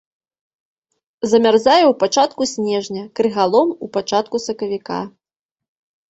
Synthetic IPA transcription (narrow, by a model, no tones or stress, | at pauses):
zɐmʲarzajɛwpat͡ʂat̪kusʲnʲɛʐnʲɐkɾɨɣalˠɔmupat͡ʂat̪̚kusɐkɐvʲika̰